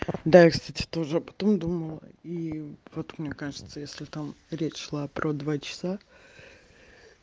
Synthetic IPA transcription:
d̪ajakst̪atʲɪ̥t̪o̞ʐɨɐpɐ̥t̪o̞md̪uməlˠəivo̞t̪mnʲekaʐɨt̪səjesʲlʲɪt̪amɾʲet͡ɕʂlˠapɾʔod̪vat͡ɕɪ̥sa

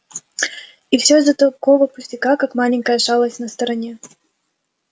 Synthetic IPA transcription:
ifsʲozɐt̪ɐkɔvəpʊsʲtʲɪkakakmalʲɪŋʲkəjəʂalˠəsʲnɐst̪ɐɾɐnʲɛ

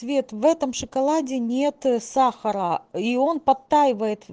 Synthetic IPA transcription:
vʲe̞t̪vɛt̪əmʂɨkɐlˠadʲɪnʲe̞t̪saxəɾəio̞npɐt̪ːajɪvəjɪt̪

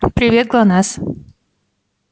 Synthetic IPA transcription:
pɾivʲjɛt̪̚klˠanas

